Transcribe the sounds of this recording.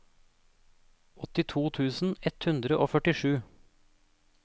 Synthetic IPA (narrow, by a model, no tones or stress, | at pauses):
ɔt̪ɪt̪ʰuːt̪ʰʉːsn̩ɛt̪hʉnd̪ɾəʔoːfœʈɪʃʉː